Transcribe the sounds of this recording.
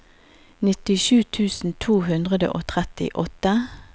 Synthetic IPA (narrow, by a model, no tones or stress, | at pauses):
nɪt̪ɪʃʉːt̪ʰʉːsn̩t̪ʰuːhʉnd̪ʁəd̪ə̰ʔoːt̪ʰʁɛt̪ɪ̰ʔɔt̪ə